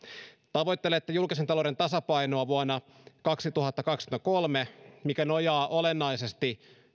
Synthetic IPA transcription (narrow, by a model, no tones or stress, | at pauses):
t̪ɑʋo̞jt̪ːelet̪ːejulkis̬ent̪ɑloɾe̞nt̪ɑsɑpɑjnoɑʋuonːɑ | kɑksit̪uɦɑt̪ːɑkɑksi̥kymt̪ɑko̞lmemikæno̞jɑːʔo̞lenːɑjsest̪i